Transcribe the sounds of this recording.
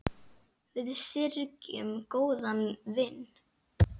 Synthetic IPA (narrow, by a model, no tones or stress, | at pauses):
vɪðsɪɾcʏmkoːwðanvɪnː